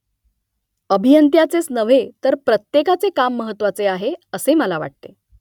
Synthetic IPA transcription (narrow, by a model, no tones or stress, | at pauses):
əbʱijənt̪jat͡sesnəʋet̪əɾpɾət̪jekat͡sekamːəɦət̪ːʋat͡seaɦeəseməlaʋa̰ʈ̚t̪e